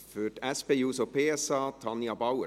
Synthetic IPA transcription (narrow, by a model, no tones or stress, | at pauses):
føːʈɛspejʉːsoːpʰeːɛsɑːt̪ʰɑnjɑbɑʊə